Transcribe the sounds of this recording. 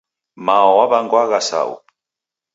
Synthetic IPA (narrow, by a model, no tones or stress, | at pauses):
maɔwaβaŋɡwaɣasa̰ṵ